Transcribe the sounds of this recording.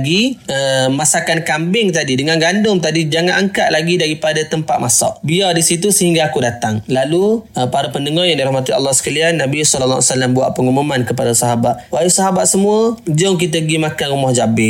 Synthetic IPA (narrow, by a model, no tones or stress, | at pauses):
ɡiəmasakankambɪŋt̪adidəŋanɡandʊŋt̪adid͡ʒaŋanaŋka̰ʔlaɡidaɾipadat̪əmpat̪̚masɔ̰ʔbiadisit̪̬usəɦiŋɡaːkudat̪aŋlaluəpaɾapəndəŋɔjaŋdiɾahmat̪ia̰lːahsə̥kalianːabisɔlalːa̰wsalambua̰ʔpəŋumumankəpadasɔɦabat̪̚wajusɔɦabat̪̚səmuəd͡ʒɔŋk̬it̪̬əɡimakanɾumɔhd͡ʒabɪ